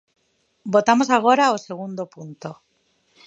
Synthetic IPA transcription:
bo̞t̪amo̞saɣ̞o̞ɾaose̞ɣ̞und̪opunt̪o̞

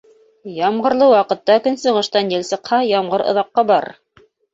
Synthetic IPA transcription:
jɑmʁɤ̆ɾlˠɤwɑqɤ̆t̪ːɑkɵnsɤ̆ʁɤ̆ʃt̪ɑnjɘ̆lʲsɤ̆qhɑjɑmʁɤɾŏ̰ðɑqːɑbɑɾ

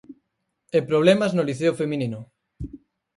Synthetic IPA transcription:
epɾoβ̞lemaznoliθeofemĩnino

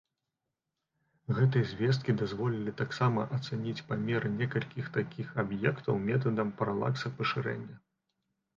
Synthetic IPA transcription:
ɣɛt̪ɨjɐzʲvʲɛst̪kʲid̪azvɔlʲilʲit̪aksamɐʔɐt̪sɛnʲit͡sʲpamʲɛɾɨnʲɛkɐlʲkʲixt̪akʲixabjɛkt̪ɐwmʲɛt̪̬ɐd̪ɐmpɐɾalˠa̰ksɐpɐʂɨɾɛ̰nʲːɐ

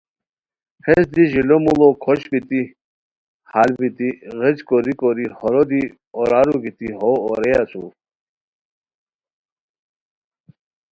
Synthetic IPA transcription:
hʰɛsd̪iʑilɔmulɔkʰɔɕbit̪i | halbit̪iɣɛd͡ʑkɔɾikɔɾihɔɾɔd̪i | ɔɾaɾuɡit̪iɦɔːɾɛjat͡sʰṵ

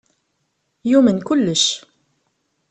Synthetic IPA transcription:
jumənkʊlːəʃ

